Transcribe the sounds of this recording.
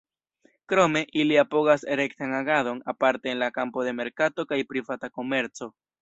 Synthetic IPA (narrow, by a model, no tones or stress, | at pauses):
kɾo̞me̞ʔiliapo̞ɡase̞ɾe̞ktanaɡado̞napaɾte̞ːnlakampo̞de̞me̞ɾkato̞kajpɾivatako̞me̞ɾt͡so̞